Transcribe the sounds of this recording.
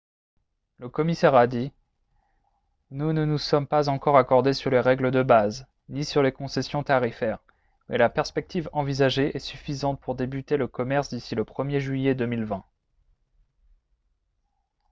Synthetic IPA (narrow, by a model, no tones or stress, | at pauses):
ləkɔmisɛʁad̪i | nunənusɔmpazɑ̃kɔʁakɔʁd̪esyʁleʁɛɡləd̪əbaz | nisyʁlekɔ̃sɛsjɔ̃t̪aʁifɛːʁ | mɛlapɛʁspɛk̚t̪ʰivɑ̃vizaʒeʔɛsyfizɑ̃t̪̚puʁd̪ebyt̪eləkɔmɛʁsd̪isiləpχəmjeʒɥijɛd̪əmilvɛ̃